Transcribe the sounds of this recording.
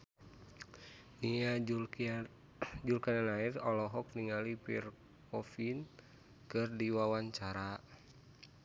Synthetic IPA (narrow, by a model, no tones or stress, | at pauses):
nia | d͡ʒulkananairɔlɔɦɔk̚niŋalipḭr | kɔfin | kɨrdiwawaɲt͡ʃaɾa